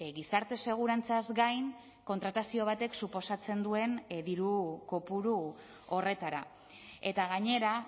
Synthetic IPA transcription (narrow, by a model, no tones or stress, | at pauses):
ɣisaɾt̪e̞se̞ɣ̞uɾant͡sazɡajŋ | ko̞nt̪ɾat̪asio̞β̞at̪e̞ksupo̞sat͡se̞nd̪ue̞nðiɾuko̞puɾu | o̞re̞t̪aɾa | e̞t̪aɣaɲe̞ɾa